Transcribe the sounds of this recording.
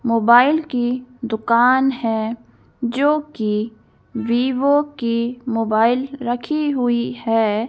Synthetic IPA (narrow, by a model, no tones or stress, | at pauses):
moːbaːɪlkid̪ʊkaːnɦɛ | d͡ʒoːki | ʋiːʋokimoːbaːɪlɾɐkʰiɦʊihɛ